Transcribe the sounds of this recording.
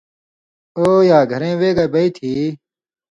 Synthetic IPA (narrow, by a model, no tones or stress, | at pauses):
oːjaːɡʱɐɾẽːweːɡaːbɐiːt̪ʰiː